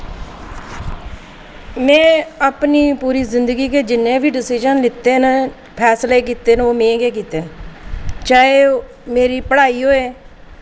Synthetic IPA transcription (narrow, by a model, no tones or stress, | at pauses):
mɛ̃ːaːpniːpuːɾiːzɪnd̪əɡiːkeːd͡ʒɪnːẽːbʱiːɖɪsɪd͡ʒənlɪt̪eːn | pʰɛːsleːk̬iːt̪eːnoːmẽːɡeːk̬iːt̪eːn | t͡ʃaːeː | meːɾiːpəɽaːiːɦoːeː